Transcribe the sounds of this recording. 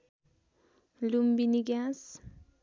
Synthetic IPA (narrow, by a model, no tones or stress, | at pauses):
lumbiniɡas